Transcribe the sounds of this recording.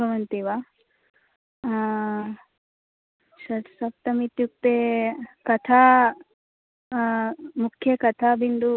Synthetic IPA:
ɐʋɐnt̪iʋa | ʃɐsɐp̚t̪ɐmit̪juk̚t̪eːkɐt̪ʰaː | mukʰjɐkɐt̪ʰaːbind̪u

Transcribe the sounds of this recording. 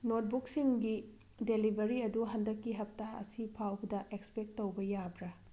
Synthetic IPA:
not̚buksiŋɡi | delibʱɐɾiɐduɦɐndɐkːiɦɐp̚taɐ̰sipʰawbɐdɐʔekspek̚tːowbɐjabɾɐ

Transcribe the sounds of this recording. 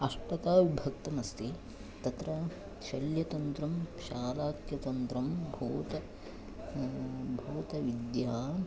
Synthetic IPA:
ɐʂpɐt̪aːʋubʱɐk̚t̪ɐmɐst̪i | t̪ɐt̪ɾɐ | ʃɐljɐt̪ɐnt̪ɾɐmʃaːlaːkjɐt̪ɐnt̪ɾɐmbʱoːt̪ɐ | bʱoːt̪ɐʋid̪ja

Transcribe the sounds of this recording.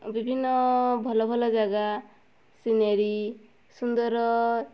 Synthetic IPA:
bibʱinːɔbʱɔlɔbʱɔlɔd͡ʒaɡa | sineɾi | sund̪ɔɾɔ

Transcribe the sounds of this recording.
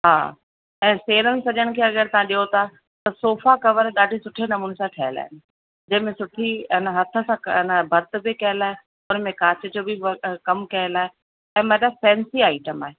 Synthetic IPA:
ɦa̰ː | ɛ̃ːseːɾənɪ̆sɐʄəɽ̃̆kʰeːɐɡəɾt̪ɐãɗiot̪ʰa | t̪ɐsoːfakɐʋəɾɗaːɖʱisʊʈʰenɐmuːnesãʈʰɐɦəla̰ːɦɪnɪ̆ | d͡ʑɐ̃ɦɪ̃mẽsʊʈʰiɪnəɦɐt̪ʰə̆sãɪnəbʱɐɾt̪̆bʱɪikɐɦəlaːɦe | ʊnmẽkaːt͡ɕəd͡ʑoːbʱikɐmkɐɦəlaːɦe | ɛ̃ːmːlafɛ̃ːnsiaːɪʈəma̰ːɦe

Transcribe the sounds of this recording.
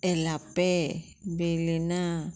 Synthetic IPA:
ɛlapɛ | belina

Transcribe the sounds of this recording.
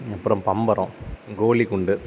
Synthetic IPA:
ɐpːɯɾɐmpɐmbɐɾõ̰ːɡoːɭikʊɳɖɯ

